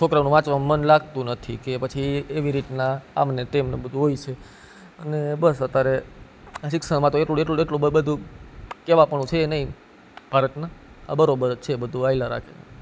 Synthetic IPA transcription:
t͡ʃʰokɾanũʋãt͡ʃʋammənlaɡt̪ũnət̪ʰikepət͡ʃʰiːʋiɾit̪naa̰mnet̪emnḛbəd̪ʱuɦoit͡ʃʰe | ənebəsət̪jaɾe | aʃɪksəmãt̪oeʈlueʈlueʈlubəbəd̪ʱukeʋapəɳũt͡ʃʰeːnəɦĩ | b̥ʱaɾət̪naa̰bəɾobəɾt͡ʃʰebəd̪ʱuailaɾa̰kʰene

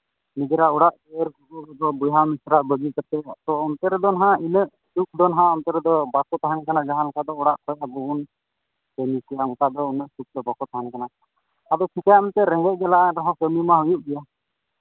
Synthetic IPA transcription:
nid͡ʒɛɾaɔɽaʔd͡ʒɛɾkukuɔd̪ɔbujɦamisɾaʔbəɡikaɾt̪ɛt̪ɔɔnt̪ɛɾɛd̪ɔnɦãinəʔ | suk̚d̪ɔnɦãɔnt̪ɛɾɛd̪ɔbakɔt̪aɦankanad͡ʒaɦãlɔkad̪ɔɔɽaʔkʰɔjabuun | kəmikɛjaɔkad̪ɔunəʔsuk̚t̪ɔbakɔt̪aɦankana | ad̪ɔkʰikajamɛnt̪ɛɾɛ̃ŋɡɛʔ̚ˀɡɛladɔɦɔ̃kəmimaɦujuʔ̪̚bɛja

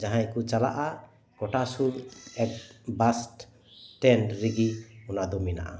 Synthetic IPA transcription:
d͡ʒaɦajkut͡ʃala̰ʔa | kɔʈasuɾɛk̚bast | tɛnɾiɡiɔnad̪ɔmina̰ʔa̰

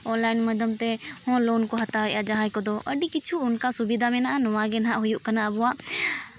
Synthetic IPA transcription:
ɔ̃nlainməd̪ʱəmt̪ɛhɔ̃lɔnkɔɦat̪aɦɔʔad͡ʒaɦãjkɔd̪ɔʔəɖikit͡ʃʰuːnkasubid̪ʱamɛnaʔanɔwaɡɛnɦaʔɦujuʔkanaʔəbɔwaʔ

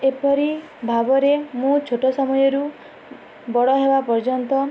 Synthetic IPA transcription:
epɔɾi | bʱabɔɾemũt͡ʃʰoʈɔsɔmɔjɔɾu | bɔɽɔɦebapɔɾd͡ʒɔnt̪ɔ

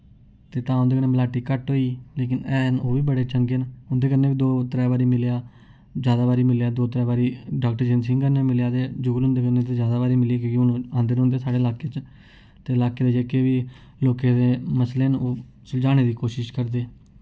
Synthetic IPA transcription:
t̪eːt̪ãːõnd̪eːkəeːmlaːʈiːkəʈɦoːiːleːkɪnɛːnoːʋiːbəɽeːt͡ʃəŋɡeːnɦʊnd̪eːkəɾneːʋiːd̪oːt̪ɾɛːbaːɾiːmɪljaː | d͡ʒjaːd̪aːbaːɾiːmɪljaːd̪oːt̪əɾɛːbaːɾiːɖaːk̚ʈəɾd͡ʒensɪ̃ŋkəneːmɪljaːt̪eːd͡ʒʊɡlʊ̃nd̪eːkəɾnet̪eːd͡ʒjaːd̪aːbaːɾiːmɪliak̬õːkiʊnːãːnd̪əɾɦʊ̃ːnd̪eːsaːɽeːɪlaːkeːt͡ʃ | t̪eːɪlaːkeːd̪eːd͡ʒekeːʋiː | loːkeːd̪eːməsleːnoː | səld͡ʒaːɽ̃eːd̪iːkoːʃɪʃkəɾd̪eː

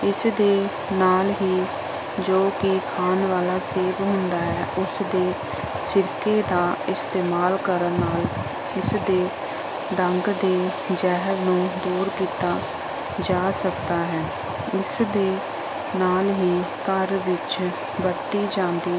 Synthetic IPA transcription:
ɪsd̪eː | naːlɦiː | d͡ʒoːkɪkʰaːnʋaːlaːseːbɦʊnd̪aːɦɛːʔʊsd̪eː | sɪɾkeːd̪aːɪst̪eːmaːlkəɾənnːaːl | ɪsd̪eː | ɖəŋɡd̪eː | d͡ʒɛːɦəɾnũːd̪uːɾkiːt̪aː | d͡ʒaːsəkd̪aːɦɛː | ɪsd̪eː | naːlɦiː | kəɾʋɪt͡ʃ | bəɾt̪iːd͡ʒãːnd̪iː

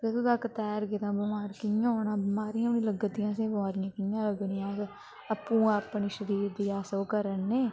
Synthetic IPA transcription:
ɾesud̪aːkət̪ɛːɾɡɪɾãːbəmaːɾkɪjãːoːnãːbəmaːɾijãʊnĩːləɡət̪ɪjãːsẽːbəmaːɾɪjãːkɪjãːləɡnijãːs | əpːũːãːəpːɳiːʃəɾiːɾd̪iːaːsoːkəɾənːeː

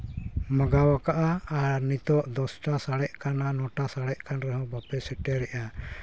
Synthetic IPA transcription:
məɡawakaʔaːɾnit̪ɔʔd̪ɔsʈasaɽɛʔkananɔʈasaɽɛʔkanɾɛɦɔ̃bapɛsɛʈɛɾɛʔa

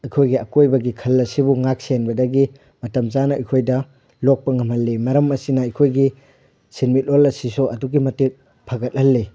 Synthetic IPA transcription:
ɐjkʰojɡiɐkojbɐɡikʰɐlːɐsibuŋak̚senbɐdɐɡi | mɐtɐmzanɐɐjkʰojdɐ | lok̚pɐŋɐmhɐlːimɐɾɐmɐsinɐɐjkʰojɡi | sinmit̚olɐsisɔʔɐduɡimɐtit̚ | pʰɐɡɐt̚hɐlːi

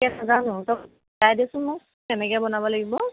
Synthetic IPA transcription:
ɛnazanʊ̃tɔk | dajdiasʊnmu | ɛnɛkɛbɔnabɔlaɡibɔ

